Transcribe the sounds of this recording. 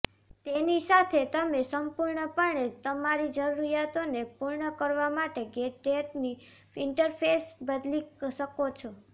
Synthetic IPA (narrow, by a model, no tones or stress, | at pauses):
t̪enisat̪ʰet̪əmesəmpuɾɳəpəɳet̪əmaɾid͡ʒəɾuɾijat̪onepuɾɳəkəɾʋamaʈeɡetːeʈni | ɪɳʈəɾpʰesbəd̪liʃəkot͡ʃʰo